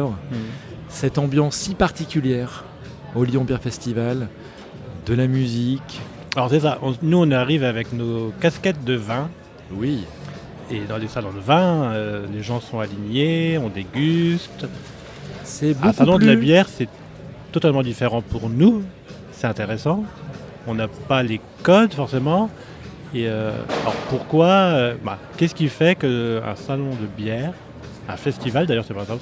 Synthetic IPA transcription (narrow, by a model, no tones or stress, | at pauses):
sɛt̪ɑ̃bjɑ̃sːipaʁt̪ikʲyljɛʁ | oljɔ̃bjɛʁfɛst̪ival | d̪əlamyzik | alɔʁsɛsaʔɔ̃nuɔ̃naʁivavɛknokaskʲɛt̪̚d̪əvɛ̃ | wi | ed̪ɑ̃lesalɔ̃d̪əvɛ̃øleʒɑ̃sɔ̃aliɲeɔ̃d̪eɡʲyst̪ | sɛbɛ̃salɔ̃d̪əlabjɛːʁsɛ | t̪ɔt̪almɑ̃d̪ifeʁɑ̃puʁnu | sɛt̪ɛ̃t̪eʁesɑ̃ | ɔ̃napale | kɔd̪fɔʁsemɑ̃ | eø̰a̰ɔ̰ʁpuʁkwaøbãkʲɛsə̥kʲifɛkəɛ̰̃salɔ̃d̪əbjɛːʁ | ɛ̰̃fɛst̪ivald̪ajœʁsɛpasaɔ̃